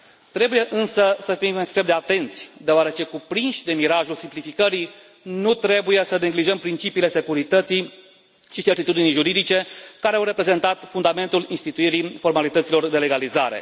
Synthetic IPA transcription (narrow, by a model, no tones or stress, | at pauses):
t̪ɾe̞buje̞ʔɨnsəsəfimekst̪ɾe̞md̪eat̪e̞nt̪sʲd̪eoaɾe̞t͡ʃe̞kupɾinʃʲd̪e̞miɾaʒulsimplifikəɾi | nut̪ɾe̞buje̞səne̞ɡliʒəmpɾint͡ʃipiːle̞se̞kuɾit̪ət̪si | ʃit͡ʃe̞rt̪it̪ud̪inijʒuɾid̪it͡ʃe̞kaɾeawɾe̞pɾe̞ze̞nt̪at̪fund̪ame̞nt̪ulinst̪it̪uiɾifo̞rmalit̪ət̪silo̞rd̪e̞le̞ɡalizaɾe̞̰